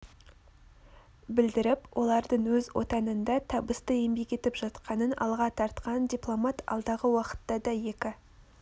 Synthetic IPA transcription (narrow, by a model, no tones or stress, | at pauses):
bɪld̪ɪɾɪpwʔo̞lˠɑɾd̪əɴwɵzwo̞̰t̪ɑnənd̪ɑt̪ʰɑbəst̪əe̞mbe̞kʲe̞t̪ɪpʒɑt̪qɑnənɑ̰lˠʁɑt̪ʰɑɾt̪qɑnd̪ʲijplˠo̞mɑt̪ɑ̰lˠd̪ɑʁəwɑqə̥t̪ːɑd̪ɑje̞kʲɪ